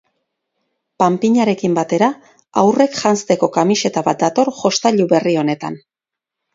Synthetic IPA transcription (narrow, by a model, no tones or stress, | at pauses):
pampiɲaɾe̞kimbat̪e̞ɾa | awre̞kʝanst̪e̞ko̞kamise̞t̪aβat̪̚d̪at̪o̞ɾʝo̞st̪aʎuβe̞rio̞ne̞t̪a̰n